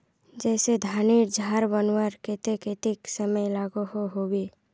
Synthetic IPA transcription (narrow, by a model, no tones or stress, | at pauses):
d͡ʒɛːsed̪ʱaːniːɾd͡ʒʱaːɾbənwəɾket̪eket̪ɪksəməjlaːɡohoɦowe